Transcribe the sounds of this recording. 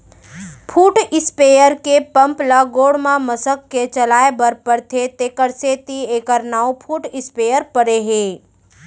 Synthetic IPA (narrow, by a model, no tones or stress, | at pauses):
pʰuːʈɪspeːjəɾkepə̃mplaɡoːɽmãməsəkːet͡ʃəlaːebəɾpəɾt̪ʰet̪eːkəɾset̪ieːkəɾnaːopʰuːʈɪspeːjəɾpəɽeɦeː